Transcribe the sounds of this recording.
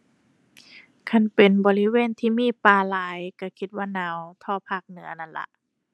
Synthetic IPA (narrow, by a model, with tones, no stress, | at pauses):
kʰa˧˥˩npe˨nbɔː˨˦li˦weː˧˥˨nt̪ʰiː˧˨miː˧˥˨paː˧˩laː˨˦jka˧˩kʰi˧t̪̚waː˧˩˨nãː˨˦wt̪ʰɔː˧˩pʰaː˧˩k̚nɯ˩˦ɐna˧˥˨nla̰˧˦ʔ